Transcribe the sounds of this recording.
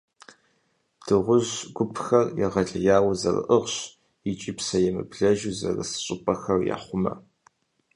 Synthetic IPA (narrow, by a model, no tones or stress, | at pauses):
d̥ɨʁʷʊʑɡʷʊpʰxɐrjɛʁɐɮɐjaːwzɐrɨ̰ʔəʁɕ | it͡ʃʼɪpsɐjɛmɨbɮɐʒuzɐ̰rɨ̰sɨ̥ɕʼɪpʼɐxɐrja̰ːχʷʊmɐ̰